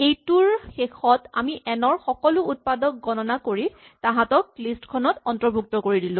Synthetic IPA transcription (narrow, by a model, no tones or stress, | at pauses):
ejtuɹxexɔta̰miʔɛnɔɹxɔkɔlʊut̚padɔk̚ɡɔnɔnakoɹi | taɦãtɔk̚listkʰɔnɔtɔntɔbʱuk̚tɔkoɹidilʊ̃